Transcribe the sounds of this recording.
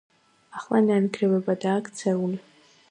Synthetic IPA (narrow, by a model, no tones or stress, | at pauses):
aχlˠananɡrɛwɛbad̪aːkʰt͡sʰɛul